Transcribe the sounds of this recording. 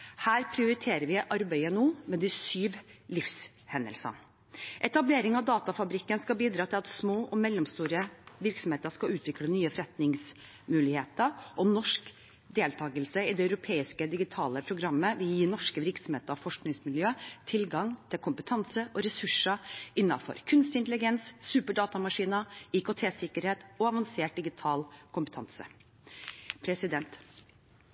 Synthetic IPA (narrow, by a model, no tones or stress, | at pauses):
hæːɾpʰɾɪʊɾɪt̪ʰeːɾəɾʋɪʔɑɾbæɪənuːmɛd̪ɪsyːʋlɪfs | hɛnə̰lsə̰n | ʔɛt̪ɑbleːɾɪŋɑʋd̪ɑːt̪ɑfɑbɾɪkːənskɑbiːd̪ɾɑːt̪ʰɪlɑt̪smoːʔɔmɛlːɔmst̪uːɾəʋɪɾksɔmheːt̪əskɑʉːt̪ʰʋɪklənyːəfɾɛt̪nɪŋs | mʉːlɪheːt̪əɾʔɔnɔʂk | d̪eːlt̪ʰɑːɡəlsəɪd̪ɛɑʉɾʊpʰeːɪskəd̪ɪɡɪt̪ʰɑːləpʰɾʊɡɾɑmːəʋɪljiːnɔʂkəʋɪɾksɔm̩heːt̪əɾɑfɔʂknɪŋsmɪljøːt̪ʰɪlɡɑŋt̪ʰɪlkʰʊmpət̪ʰɑnsəʔɔɾɛsʉʂəʔɪnːɑ̰fɔ̰ɾkʰʉnst̪ɪnt̪əlɪɡɛnsːʉːpəɖɑːt̪ɑmɑʂiːnəikot̪ʰeːsɪkəɾheːt̪ɔɑʋɑnseːʈ̚d̪ɪɡɪt̪ʰɑːlkʰʊmpət̪ʰɑnsə̰ | pʰɾɛsɪd̪ɛnt̪